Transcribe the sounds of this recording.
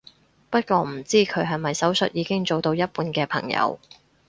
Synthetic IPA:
pɐ˥t̚kʷɔː˧m̩˨˩t͡siː˥kʰɵ˨˧ɥɦɐ˨jmɐ˨jsɐ˨˥wsɵ˨t̚jiː˨˧kɪ˥ŋt͡so˨wt̪o˧wjɐ˥t̚puː˧nkɛː˧pʰɐ̰˨˩ŋjɐ̰˨˧w

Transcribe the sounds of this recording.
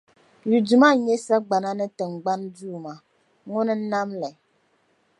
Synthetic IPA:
ju˨du˨ma˦˨ɲɛ˦sa˦ɡ͡ba˨na˦nə˦tə˨ŋ̩˨ɡ͡ba˦nduː˦˨ma˨ | ŋo˦nə˦n̩˦na˦mlɛ˨

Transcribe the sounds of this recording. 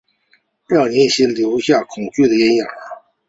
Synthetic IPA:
ɻɑ˥˩ni˧˥i˥˩ɕjɛ˥ljo˧˥ʊɕja˥˩kʰʊ˨˩ŋt͡ɕy˥˩d̪ə˩ɛ˥njɑ̰˨˩˦

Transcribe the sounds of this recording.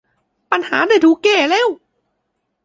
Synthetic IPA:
pa˧˨nha̰ː˩˦daː˧˩jt̪ʰuː˧˥keː˧˩leː˧˥˨w

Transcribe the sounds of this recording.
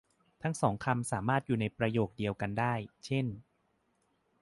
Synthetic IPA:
t̪ʰa˦˥˩ŋsɔː˩˦ŋkʰa˧msaː˩˦maː˥˩t̪̚juː˨˩na˧jpɾa˧joː˨˩k̚di˧əwka˧ndaː˥˩jt͡ɕʰe˥˩n

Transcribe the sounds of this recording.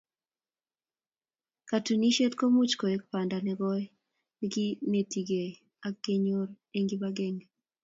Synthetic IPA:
ka˨tu˨ni˦ʃe˦tko˦mu˦t͡ʃko˨e˦k̚pa˨nda˨nɛ˨ɡɔ˦j | iɡi˦ne˨ti˨ɡe˨ | a˦kːe˦ɲo˦r | e˦ŋɡi˦ba˦ɡe˦ŋ

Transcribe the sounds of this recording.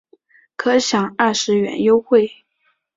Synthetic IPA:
kʰɤ˥˩ɕjɑ˨˥ŋa˥˩ʂɻ̩˧˥ɥɛ̰˨˥njo˥ʊxwe˥˩ɪ

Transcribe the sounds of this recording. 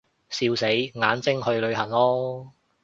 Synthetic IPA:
siː˧wse˨˥jŋaː˨˥nt͡sɪ˥ŋhɵ˧ɥlɵ˨˧ɥhɐ˨˩ŋlɔː˥

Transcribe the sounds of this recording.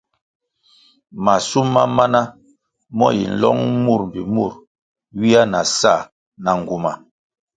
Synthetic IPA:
ma˨su˦mːa˦ma˦na˦ | mɔ˦jḭ˨n̩˨lɔ̰˦ŋmu˦˨ɾm̩˨bi˨mu˦˨ɾ | wi˦a˦na˨sa˦˨ | na˨ŋ˨ɡu˨ma˨

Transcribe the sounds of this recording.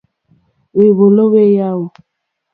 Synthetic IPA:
we˨βo˨lo˦we˦ja˦wo˨

